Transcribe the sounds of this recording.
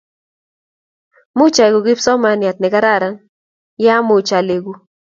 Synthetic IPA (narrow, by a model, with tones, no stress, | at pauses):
mu˦t͡ʃa˨iɡu˨ki˦pso˦ma˨nja˨t̪̚ne˨ka˦ɾa˦ɾaŋ | ja˦mu˨t͡ʃale˨ɡu˨